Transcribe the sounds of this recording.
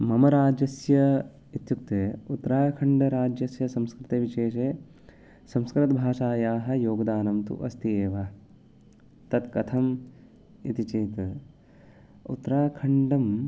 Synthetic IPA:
mɐmɐɾaːd͡ʒɐsjɐ | it̪juk̚t̪eːut̪ːɾaːkʰɐɳɖɐɾaːd͡ʒjɐsjɐsɐmskɾɪt̪eːʋiʃeːʃeː | sɐmskɾɪt̪ɐbʱaːʃaːjaːɦɐ̆joːɡɐd̪aːnɐmt̪ṵʔɐst̪ieːʋɐ | t̪ɐt̪kɐt̪ʰɐm | ḭt̪it͡ʃeːt̪ | ṵt̪ːɾaːkʰɐɳɖɐm

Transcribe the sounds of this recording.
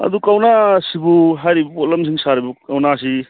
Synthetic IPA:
ɐ̰d̪ukawnasibuɦajɾibɐpɔlɐms̬iŋsaɾibuawnas̬i

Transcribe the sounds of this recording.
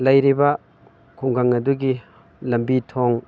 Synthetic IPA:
lɐjɾibɐ | kʰuŋɡaŋɐduɡi | lɐmbitʰoŋ

